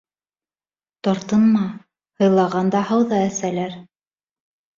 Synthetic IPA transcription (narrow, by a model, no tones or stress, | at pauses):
t̪ɑɾt̪ɤ̆nmɑ | hɤ̆jlˠɑʁɑnd̪ɑhɑwðɑæsælæɾ